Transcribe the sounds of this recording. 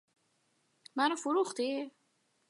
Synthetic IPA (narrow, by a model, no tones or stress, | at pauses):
mæɾofuɾuχt̪i